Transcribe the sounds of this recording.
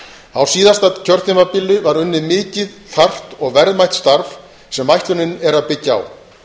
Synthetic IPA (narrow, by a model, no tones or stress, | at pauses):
θawsiːðast̪aðcʰœɾt̪imapɪlːɪvaɾʏnːɪmɪːcɪðθar̥t̪ɔɣvɛɾðmajht̪st̪aɾf | sɛmːajht̪lʏnɪnɛɾaðpɪcːaa̰w